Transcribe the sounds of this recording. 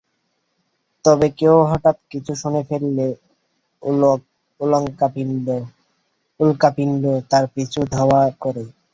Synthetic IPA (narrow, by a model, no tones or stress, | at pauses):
t̪ɔbekeoɦɔʈat̪kit͡ɕʰuʃonefeɾile | uloŋapi | ulkapinɖot̪aɾpit͡ɕʰud̪ʱaoakɔɾe